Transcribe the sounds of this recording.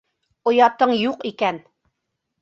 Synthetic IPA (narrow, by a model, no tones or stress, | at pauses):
ŏjɑt̪ɤɴjuqikæn